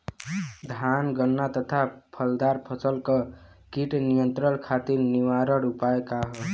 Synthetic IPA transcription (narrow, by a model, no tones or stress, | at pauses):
d̪ʱanɡənːat̪ət̪ʰapʰəld̪aɾpʰəsəlkʌ | kiʈnijənt̪ɾənkʰat̪iɾniwaɾʌɾupaekaɦɔ